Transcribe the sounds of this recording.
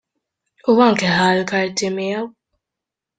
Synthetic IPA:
uɐŋkɛhɐːlkɐɾt̪ɪmɪjɐw

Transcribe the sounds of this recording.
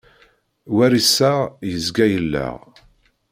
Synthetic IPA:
wæɾisːæʁjəzɡæjəlːæ̰ʁ

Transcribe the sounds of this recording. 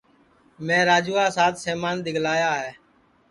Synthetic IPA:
mẽːɾaːd͡ʒuːaːsaːt̪seːmaːnɗ̪ɪɡlaːjaːɦɛː

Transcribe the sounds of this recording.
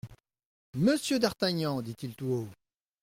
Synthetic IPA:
məsjød̪aʁt̪aɲɑ̃d̪it̪ilt̪uo

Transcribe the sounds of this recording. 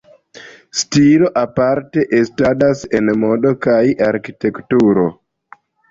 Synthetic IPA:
stilo̞ʔapaɾteʔestadasenmodokajaɾkitektuɾo

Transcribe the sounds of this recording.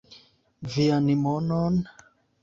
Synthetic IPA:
vianimɔnɔn

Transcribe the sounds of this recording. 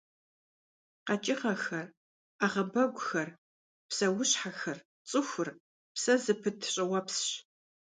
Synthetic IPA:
qɐt͡ʃʼɪʁɐxɐr | aːʁɐbɐɡʷʊxɐr | psɐwʊɕħaxɐr | t͡sʼɨxʷʊr | psɐzɨpʰɨtʰɕʼɐwɐpsɕ

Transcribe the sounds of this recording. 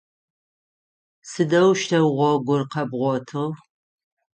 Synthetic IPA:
sɨdɐwʃtʰɐwʁʷɔɡʷʊrqɐbʁʷɔtʰɨʁ

